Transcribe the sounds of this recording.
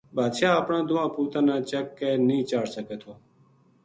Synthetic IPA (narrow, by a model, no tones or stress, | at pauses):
bʱaːd̪ʃaːaːpɳãːd̪ʊʋãːpuːt̪ãːnãːt͡ʃəkːeːnĩːt͡ʃaːɽsəkeːt̪ʰoː